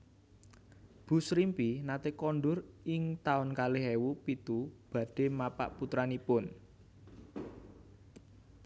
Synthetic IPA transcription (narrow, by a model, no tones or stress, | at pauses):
b̥ṳsɾimpinat̪ekɔnɖʊrɪŋt̪aʊnkaleɦewupit̪ub̥ä̤ɖ̥e̤mapa̰ʔput̪ɾanipʊn